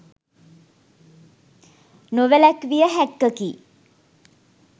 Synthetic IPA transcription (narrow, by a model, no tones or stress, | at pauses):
noʋəlækʋijəɦækːəkiː